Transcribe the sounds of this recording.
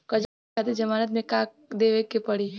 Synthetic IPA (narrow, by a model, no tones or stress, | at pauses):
kɐd͡ʒ | aːt̪ed͡ʒɐmaːɾət̪̬mẽkaːk̚ | d̪eːʋekːepɐɽiː